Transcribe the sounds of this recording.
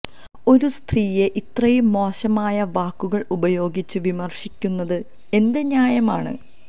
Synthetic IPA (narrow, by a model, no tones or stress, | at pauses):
o̞ɾust̪riːje̞ʔit̪rɐjumːo̞ːɕɐmaːjɐʋaːkːuɣɐɭubɐjo̞ːɡit͡ɕːɨʋimɐrʂikʲːunːɐðɨ | e̞nd̪eɲaːjɐmaːɳɨ̰